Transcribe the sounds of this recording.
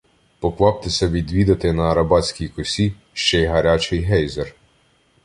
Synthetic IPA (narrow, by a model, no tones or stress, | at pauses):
pɔklˠɑp̚t̪esʲɐʋʲid̪ʲʋʲid̪ɐt̪ɪnɐːɾɐbɑt͡sʲkʲijkɔsʲi | ʃt͡ʃɛjɦɐɾʲat͡ʃɪjɦɛjzer